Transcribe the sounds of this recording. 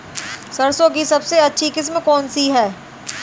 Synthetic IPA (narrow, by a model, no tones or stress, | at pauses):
sɐɾsõk̬isɐbseɐtːʃʰikɪs̬mkɔːnsiɦɛː